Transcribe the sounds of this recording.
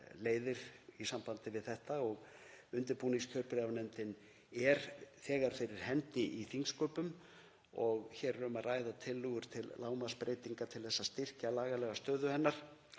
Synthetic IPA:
leːjðɪɾisampant̪ɪvɪðθɛht̪aɔɣʏnt̪ɪɾpuniŋskʰœr̥plɛvanɛnt̪ɪn | ɛɾθɛːɣaɾ̥fejɾɪɾ̥hɛnt̪ɪʔiθiŋskœːpʏm | ɔɣçɛɾɾʏmaraːjðat̪ʰɪlːʏɣʏɾ̥t̪ʰɪllaːwmaspɾʔeːjt̪iŋkat̪ʰɪlθɛsːast̪ɪr̥calaːɣalɛɣast̪œːðʏhɛnːaɾ̥

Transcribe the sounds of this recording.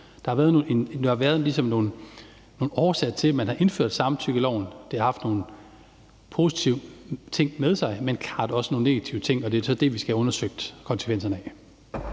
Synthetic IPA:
d̥ɑ̈hɑ̈ʋæɐð̞ˠno̝ːendehɑ̈ʋæːɐð̞̩ˠlisɒ̽mno̝ːn̩ː | o̝ːn̩ɒːsɛ̥t͡sʰe̝lmænhɑ̈ʔe̝nføɐ̰d̥sɑ̈mt͡sʰyɡ̥əlɒʊ̰n̩d̥e̝ɑ̈hɑ̈fd̥no̝ːn̩ | pʰo̝sit͡sʰiʊ̰t͡sʰe̝ŋ̰með̞ˠsɑ̈ɪmenkʰɑ̈ːd̥ɒ̽səno̝ːn̩ne̝ɡ̥æt͡sʰiʊət͡sʰe̝ŋ̰ɒ̽d̥e̝æsɒ̽d̥e̝ʋisɡ̥æɔ̽nɐsøɡ̥̚d̥kʰɒ̽nsə̥ʋen̰sɐnɛ

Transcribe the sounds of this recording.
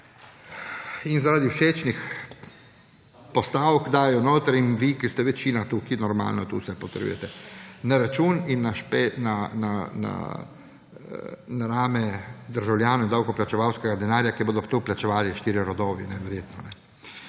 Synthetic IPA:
inzaɾaːd̪iuʃeːt͡ʃnix | pɔst̪awkd̪aːɛjɔnoːt̪ɾɛinʋikist̪ɛʋɛt͡ʃiːnat̪ukinɔɾma̰ːlnɔt̪ṵsɛpot̪ɛɾjṵjɛ̰t̪ɛnaɾat͡ʃuːninːaʃpenana̰na̰ | naɾaːmɛd̪əɾʒawljaːnoind̪awkɔplat͡ʃɛʋawskɛɡad̪ɛnaːɾjakiboːd̪ɔpt̪oplat͡ʃɛʋaːliʃt̪iːɾiɾɔd̪ɔːʋinɛʋɛɾjeːt̪nɔnɛ

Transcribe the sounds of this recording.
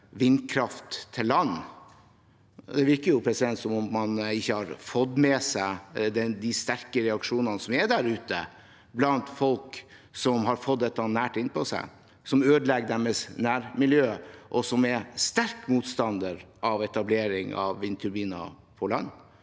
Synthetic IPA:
ʋɪnːkʰɾɑft̪ʰːɪlːɑnː | d̪ɛʋɪɾkəɾjʊpʰɾɛsɪd̪ɛnt̪sɔmʊmːɑnɪçːəhɑɾfɔd̪mɛsæɪd̪ɛd̪ist̪æɾkəɾɛɑkʂuːnɑnəsɔmæɖæɾʉːt̪ə̰ | blɑnt̪fɔlk | sɔmɦɑɾfɔt̪d̪ɛt̪ːɑnæːʈɪnpʰɔsæ̰ɪ | sɔmøːd̪əlɛɡəd̪æməsnæːɾmɪljøːʔɔsɔmæst̪æɾkmuːt̪st̪ɑnd̪əɾʔɑʋɛt̪ɑbleːɾɪŋɑ̰ʋʋɪnt̪ʰʉɾbiːnɑ̰ | pʰɔlɑnː

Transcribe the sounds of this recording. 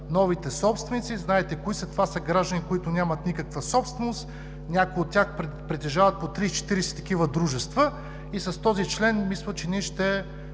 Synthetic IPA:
nɔvit̪ɛsɔpst̪vɛnit̪siznaɛt̪ɛkoisɐt̪ovasɐɡɾaʒd̪ənikoit̪ʊnʲamɐt̪nikəkvəsɔpst̪vɛnoʊst̪ | nʲakʊjot̪ːʲjaxp | pɾɛt̪ɛʒavɐt̪̚pot̪ɾit͡ʃɛ̥t̪iɾɛsɛ̥t̪ɐk̟ivəd̪ɾuʒɛst̪və | isɐst̪ɔzit͡ʃlɛnmislˠət͡ʃɛniʃt̪ɛ

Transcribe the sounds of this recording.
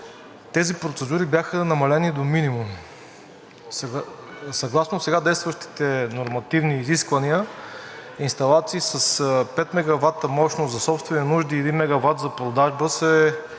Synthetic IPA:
t̪ɛzipɾot̪sɛd̪uɾibjaxənɐmɐlɛnid̪ominimum | s | sɐɡlˠasnosɛɡad̪ɛjst̪vɐʃt̪i̥t̪ɛnoɾmɐt̪ivniːziskvɐniə | inst̪ɐlˠat̪siːsɐspɛt̪mɛɡɐvat̪ːəmɔʃnoszɐsɔpst̪vɛninuʒd̪iɛd̪inmɛɡɐvat̪zɐpɾod̪aʒbəsɛ

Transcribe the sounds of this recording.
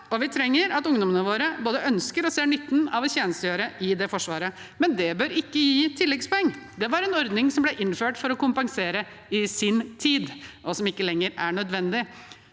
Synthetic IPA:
ɔʋɪt̪ʰɾɛŋːəɾɑt̪ʊŋd̪ɔmənəʋoːɾəboːd̪əʔœnskəɾɔseːɳʏt̪ːnɑʋɔçeːnəst̪əjøːɾəʔɪd̪ɛfɔʂʋɑ̰ːɾə | mɛnd̪ɛbøːɾɪkːəjiːt̪ʰɪlːɛkspɔɛŋːd̪ɛʋɑɾɛnɔɾd̪nɪŋsɔmblɛʔɪnføːʈfɔɾɔkʊmpɑŋseːɾə | ɪsɪnt̪ʰiːd̪ʔɔsɔmɪkːəlɛŋːəɾæɳœd̪ʋɛnd̪ɪ

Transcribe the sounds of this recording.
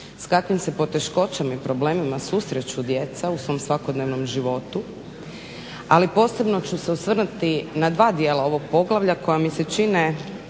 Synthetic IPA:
skakʋimse̞po̞t̪e̞ʃko̞t͡ɕamaipɾo̞ble̞ːmimasusɾet͡ɕud̪je̞t̪sausʋo̞msʋakod̪ne̞ʋno̞mʒiʋo̞t̪u | alipo̞ːse̞bno̞t͡ɕuse̞usʋr̩nut̪inad̪ʋaːd̪jeːlao̞ʋo̞ɡ̚po̞ɡlˠaʋʎakʰo̞jamise̞t͡ʃine

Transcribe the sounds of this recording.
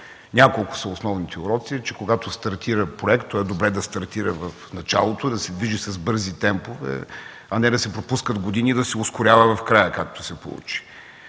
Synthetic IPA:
nʲakolˠkʊ̥sɐʊsnɔvnit̪ʰɛʊɾɔt̪siɛt͡ʃɛkoɡat̪ost̪ɐɾt̪ʰiɾəpɾoɛkt̪ːɔɛd̪obɾɛd̪ɐst̪ɐɾt̪iɾəvɐfnɐt͡ʃa̰lˠot̪od̪ɐsɛd̪viʒisɐzbɤɾzit̪ɛmpovɛ̰ | ɐnɛd̪ɐsɛpɾopuskəd̪ɡod̪inid̪ɐsɛʊskʊɾʲjavɐvɐfkɾajəkak̚t̪o̥sɛpo̰lˠṵt͡ʃi̥

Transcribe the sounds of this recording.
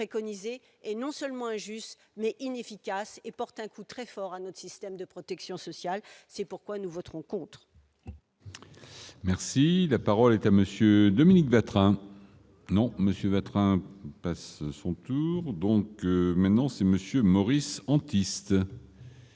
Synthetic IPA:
pχekɔnize | ɛnɔ̃sœlmɑ̃ɛ̃ʒyst̪mɛʔinefikʲasepɔʁt̪ɛ̃kʰut̪χɛfɔʁanɔt̪χsist̪ɛmd̪əpχɔt̪ɛksjɔ̃sɔsjalsɛpuʁkwanuvɔt̪χɔ̃kɔ̃t̪χ | mɛʁsilapaʁɔlɛt̪aməsjød̪ɔminikvat̪χɛ̃ | nɔ̃məsjøvat̪χɛ̃passɔ̃t̪uʁd̪ɔ̃kmɛ̃t̪nɑ̃sɛməsjømɔʁisɑ̃t̪ist̪

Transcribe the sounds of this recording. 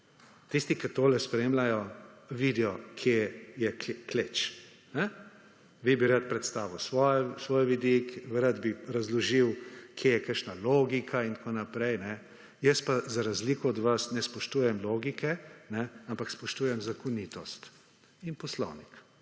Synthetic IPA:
t̪ist̪ikɐt̪oːlɛspɾeːmlajɔʋid̪ɛjɔkʰjejɛkklet͡ʃ | nɛ | ʋibiɾat̪pɾɛt̪st̪aːʋiwsʋɔjsʋoːjʋid̪ikɾad̪biɾazlɔʒiwkʰjeːjɛkəɾʃnaloːɡikʰaint̪koːnapɾɛjnɛ | jəspazaɾazlikɔːd̪ʋɐsnɛspɔʃt̪uːjɛmloːɡikɛnɛampakspɔʃt̪uːjɛmzakɔnit̪ɔst̪ | inpɔslɔ̰wnik

